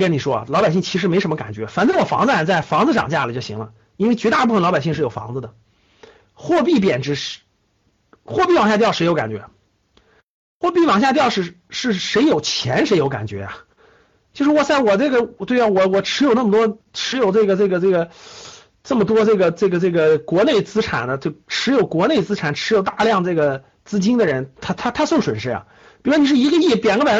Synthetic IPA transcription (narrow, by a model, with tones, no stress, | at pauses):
kə˥ni˨˩ʂwɔ˥ɐ̰˨˩lɑ˧˥ʊpa˨˩ɪɕi˥˩ŋt͡ɕʰi˧˥ʂ̬ɻ̩˧˥me˧˥ɪʂə˧˥mə˧ka̰˨˩nt͡ɕɥɛ̰˧˥fa˨˩nt͡s̪wɔ˨˩fɑ̰˧˥ŋd͡z̩˧˩a˨˩t͡sa˥˩ɪfɑ˧˥ŋd͡zɹ̩˧ʈ͡ʂɑ̰˨˩ŋt͡ɕja˥˩lə˨˩t͡ɕjo˥˩ɕi˧˥ŋlə̰˧ | i˥nwe˥˧ɪt͡ɕɥɛ˧˥t̪a˥˧˩p̬u˥˩ə˩nlɑ˧˥ʊpa˨˩ɕi˥˧ŋʂɻ̩˥˩jo˨˩ʊfɑ̰˧˥ŋd͡zɹ̩˧d̪ə˩ | xwɔ˥˧pi˥˩pjɛ˨˩nʈ͡ʂɻ̩˧˥ | xwɔ˥˧pi˥˩wɑ˨˩ŋɕja˥˧t̪̬jɑ˥˩ʊʂɪo˧˥ʊka̰˨˩nt͡ɕɥɛ̰˧˥ | xwɔ˥˧pi˥˩wɑ˨˩ŋɕja˥˧t̪jɑ˥˧ʊʂɻ̩˥˩ | ʂɻ̩˥˩ʂe˧˥ɪjo˨˩ʊt͡ɕʰjɛ˧˥nʂe˧˥ɪjo˧˥ʊka̰˨˩nt͡ɕɥɛ̰˧˥ja̰˨ | t͡ɕjo˥˧ʂɻ̩˥˩wɔ˨˩t͡sa˥˩ɪwɔ˨˩ʈ͡ʂɤ˥˩ɡə˩˨˩t̪we˥˧ɪ˥˩wɔ˨˩wɔ˨˩ʈ͡ʂʰɻ̩˧˥jo˨˩ʊna˥˩mə˩t̪wɔ˥ʈ͡ʂʰɻ̩˧˥jo˨˩ʊʈ͡ʂɤ˥˩ɡə˩ʈ͡ʂɤ˥˩ɡə˩ʈ͡ʂɤ˥˩ɡə˩ | ʈ͡ʂɤ˥˩mə˩t̪̬wɔ˥ʈ͡ʂɤ˥˩ɡə˩ʈ͡ʂɤ˥˩ɡə˩ʈ͡ʂɤ˥˩ɡə˩kwɔ˧˥ne˥˩ɪt͡sɹ̩˥ʈ͡ʂʰa̰˨˩nd̪ə˦t͡ɕo˥˩ʊʈ͡ʂʰɻ̩˧˥jo˨˩ʊkwɔ˧˥ne˥˩ɪt͡sɹ̩˥ʈ͡ʂʰa˨˩˦nʈ͡ʂʰɻ̩˧˥jo˨˩ʊt̪a˥˧ljɑ˥˧ŋʈ͡ʂɤ˥˩ɡə˩ | t͡sɹ̩˥t͡ɕi˥ŋd̪ə˨ɻə˧˥nt̪ʰa˥t̪ʰa˥t̪ʰa˥so˥˩ʊʂwə˨˩nʂɻə˥a̰˩ | pi˨˩ɻni˩ʂɻ̩˥˩i˧˥ɡə˧i˥˩pjɛ˨˩nɡə˥pjɛ˨˩